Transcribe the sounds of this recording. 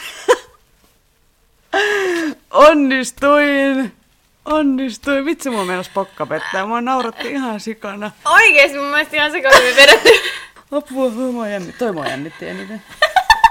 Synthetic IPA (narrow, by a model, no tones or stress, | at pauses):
ʔonːist̪uin | onːist̪uimit̪semuɑmenospokːɑpet̪ːæːmuɑnɑurɑt̪ːuihɑnsikɑnɑoikeːst̪mumːuest̪ihɑ̃nsekɑemipeɾæt̪ːy | ɑpːuɑhoːmoɑjæmːit̪t̪oimoɑ̰jæ̰mːit̪ːiæ̰nit̪æ